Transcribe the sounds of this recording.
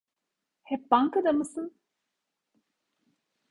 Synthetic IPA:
hɛp̚baŋkɐd̪ɐmɯsɯn

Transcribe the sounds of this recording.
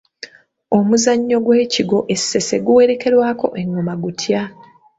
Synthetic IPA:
o̞muzaɲːo̞ɡwe̞ːciɡo̞ʔe̞sːe̞se̞ɡuwe̞ɾe̞ke̞ɾwaːko̞̰ʔe̞ŋːomaɡutʰja

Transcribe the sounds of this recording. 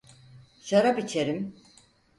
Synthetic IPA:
ʃaɾabit͡ʃʰeɾim

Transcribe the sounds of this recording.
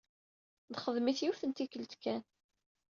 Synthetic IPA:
ðχəðˤmiθjufθənt̪ikəlt̪kæn

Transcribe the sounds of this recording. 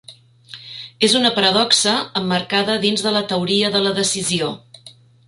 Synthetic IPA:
ezunəpəɾəðɔksəəmːərkaðəðinzðələt̪əwɾiəðələðəsizio

